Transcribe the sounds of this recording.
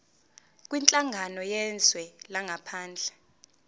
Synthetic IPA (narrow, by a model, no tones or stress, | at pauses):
k̬ʼwint͡ɬʼaŋɡʱanɔjɛnd͡zʱwɛlaŋʱapʰaːnd͡ɮʱɛ